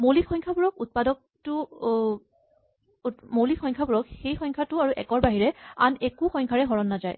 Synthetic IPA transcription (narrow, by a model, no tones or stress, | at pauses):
mowlikxɔjŋkʰabuɹɔkut̚padɔk̚ | tʊ | mowlikxʰɔjŋkʰabuɹɔkxejxɔŋkʰatʊaɹuʔɛkɔɹbaɦiɹɛanekuxɔŋkʰaɹɛɦɔɹɔnːazaj